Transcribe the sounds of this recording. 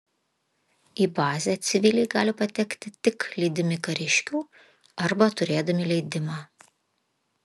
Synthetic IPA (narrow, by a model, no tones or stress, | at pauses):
iːbɑːzʲeːt̪sʲɪʋʲɪlʲɛɪɡɑːlʲɪpɐt̪ʲɛkt̪ʲɪt̪ʲɪklʲiːd̪ʲɪmʲɪkɐɾʲɪʃʲkʲuː | ɐɾbɐt̪ʊɾʲeːd̪ɐmʲɪlʲɛɪd̪ʲɪmɑː